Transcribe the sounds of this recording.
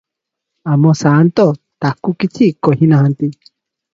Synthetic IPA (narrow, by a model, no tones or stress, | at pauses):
amõsãnt̪o | t̪akukit͡sikohĩnãhãnt̪i